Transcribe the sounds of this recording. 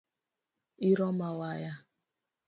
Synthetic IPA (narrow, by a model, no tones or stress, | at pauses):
iɾɔmawaja